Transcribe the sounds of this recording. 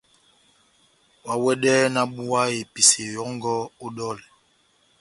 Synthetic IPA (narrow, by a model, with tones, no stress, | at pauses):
wa˨wɛ˦ɗɛ˦na˦ɓu˦a˦e˨pi˨se˨jɔ˨˦ŋ˦ɡɔ˦o˦ɗɔ˦˨l